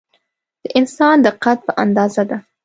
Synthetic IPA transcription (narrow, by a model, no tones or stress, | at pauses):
d̪̥əʔɪnsɑnd̪əqat̪̚pəʔand̪ɑzad̪a